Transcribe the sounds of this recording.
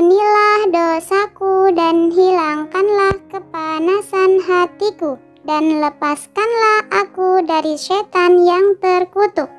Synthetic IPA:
nilahdosakudanɦilaŋkanlahkəpanasanɦat̪iku | danləpaskanlahʔakudaɾiʃɛt̪anjaŋt̪ərkut̪uk̚

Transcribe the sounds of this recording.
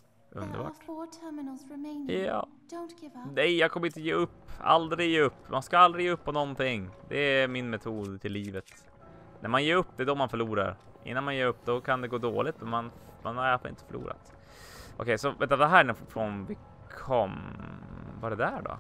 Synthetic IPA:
ʔɵ̰nd̪ə̰ɾbɑ̰ːʈɔtʰɜmɪnl̩ˠzɹɪmẽɪnjɑ̰ː | d̥õʊ̃nɡ̥ɪvnɛjjɑːɡkʰɔməɾɪnt̪əjeːɵpːa̰ld̪ɾɪɡjeːɵpːmanskaald̪ɾɪɡjeːɵpːɔnɔnt̪ɪŋːd̪ɛɾmɪnmɛt̪ʰuːd̪t̪ʰɪlːiːvət̪ | nʔæɾmanjeːɾɵpːd̪ɛd̪ɔmanfœɭuːɾa̰ɾ | ʔɪ̰nːanmanjeːɾɵpːd̪ɔkʰand̪ɛɡoːd̪o̰ːlɪt̪mɛnmanmanaɾataɾɪ̰nt̪ə̥fœɭṵːɾa̰t̪ | ʔɔ̰kʰɛjsɔvɛt̪avaɦæːɾɛnfɾɔnvɪ | kʰɔm | vaɛɾɛd̪æɖɔ̰

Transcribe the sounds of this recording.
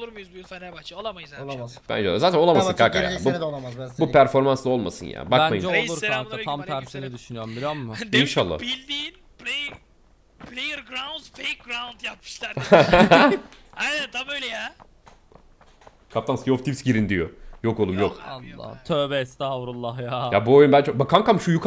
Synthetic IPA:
olˠuɾmujuzbujulfɛnɛbat͡ʃoamajzabæ̰nd͡ʒɛo̰azaːt̪ʰænoamasɯnkʰaka̰ja̰buabupʰæɾfo̞ɾmanslˠao̞lˠma̰sɯnja̰ːbabænmajmd͡ʒɛolˠuɾʰak̪aamt̪ʰæɾsinid̪yʃynyjoɾmbiɾoɾmːʊinʃalˠːa̰bilʲd̪iːn | plʲe | plʲejɾɡɾawnzfejk̚ɡɾawnd̪jap̚mi̥ʃlˠæɾ | ɛɛt̪ʰːabøjlʲɛja | kʰap̚t̪anmskʲioft̪ipsɟiɾind̪ijojo̞ko̞lˠumjoka̰lˠːa̰t̪ʰøːbɛst̪avɾulˠːahjajabuojunbænd͡ʒbakʰankamʃujukʰ

